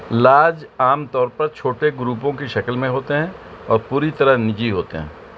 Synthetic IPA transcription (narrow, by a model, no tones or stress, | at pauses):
laːd͡ʒaːmt̪ɔːɾpɐɾt͡ʃʰoːʈeɡɾuːpõkiʃɐkəlmẽɦoːt̪eɦɛ̃ | ɔːɾpuːɾit̪ɐɾəɦnɪd͡ʒiɦoːt̪ḛɦɛ̰̃ː